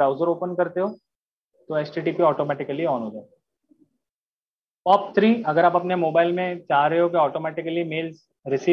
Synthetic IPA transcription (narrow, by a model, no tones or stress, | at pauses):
ɾaːʊzəɾoːpənkɐɾt̪eɦoː | t̪oɛːsʈiːʈiːpiɔːʈoːmɛːʈɪkəliɔːnɦoːd͡ʒaː | ʈɔːp̚t̪ʰɾiːɐɡəɾaːpɐpnemoːbaːɪlmẽt͡ʃaːɾɐɦeɦok̬eɔːʈoːmɛːʈɪkəlimeːls | ɾɪsiː